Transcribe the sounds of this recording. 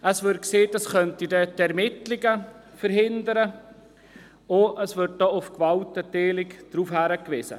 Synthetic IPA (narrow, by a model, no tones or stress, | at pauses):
ʔəsvɪɾt̚kseːdɑskœntidədɛɾmɪtlɪɡəfəɾɦɪndəɾə | oəsvɪt̚dɔːʊfkvɑltəteːlɪkd̥ɾuːfhæɾəkʋɪsə̰